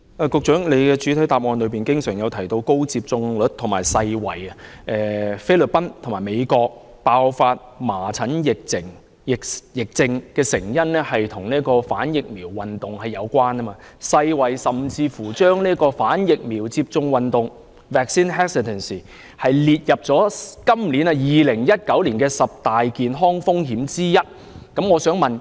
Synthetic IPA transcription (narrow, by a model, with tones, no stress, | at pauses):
aː˧˩kʊ˨˧k̚t͡ʃœː˨˥ŋle˨˧jkɛː˧t͡ʃy˨˥tʰɐ˨˥jt̪aː˨p̚ŋɔː˧nlɵ˨˧ɥp̬iː˨˩nkɪ˥ŋsœː˨˩ŋjɐ˨˧wt̪ʰjt̪o˧wko˥wt͡siː˧p̚t͡sʊ˧ŋlɵ˨˥t̚t̪ʰʊ˨˩ŋmaː˨˩jsɐ˧jwɐ̰˨˩jɐ˧ʔɛː˨˩fe˥lɵ˨t̚pɐ˥nt̪ʰʊ˨˩ŋmaː˨˩me˨˧jkɔː˧k̚ | paː˧wfaː˧t̚maː˨˩t͡sʰɐ˨˥njɪ˨k̚t͡sʰɪ˨˩ŋ | jɪ˨kjɪ˨k̚t͡sɪ˧ŋkɛː˧sɪ˨˩ŋjɐ˥nlɛ˥hɐ˨jt̪ʰʊ˨˩ŋniː˥əkɔː˧faː˨˥njɪ˨k̚miː˨˩wːɐ˨nt̪ʊ˨ŋhɐ˨jɐ˨˧wkʷaː˥nː˥maː˧sɐ˧jwɐ˨jsɐ˨mt͡siː˧fuː˨˩t͡ʃœː˥ŋliː˥əkɔː˧faː˨˥njɪ˨k̚miː˨˩wt͡siː˧p̚t͡sʊ˧ŋwɐ˨nt̪ʊ˨ŋ | vɛː˨k̚siː˥nɦɛː˥ksɪ˨t̪ʰɛ˨˩nsi˨ | hɐ˨jliː˨˧t̚jɐ˨p̚t͡sɔː˨˥kɐ˥mliː˨˥nɐ˧jiː˨lɪ˨˩ŋjɐ˥t̚kɐ˨˥wliː˨˩nkɛː˧sɐ˨p̚t̪aː˨jkiː˨nɦɔː˥ŋfʊ˥ŋɦiː˨˥mt͡siː˥jɐ˥t̚ | kɐ˨˥mŋɔː˨˧sœː˨˥ŋmɐ˨n